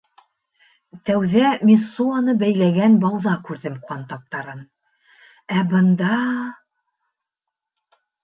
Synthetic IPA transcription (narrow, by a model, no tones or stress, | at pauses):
t̪æwðæmʲisːuɑnɤbæjlæɡænbɑwðɑkʉɾðɘmqɑnt̪ɑp̚t̪ɑɾɤm | æbɤ̆nd̪ɑ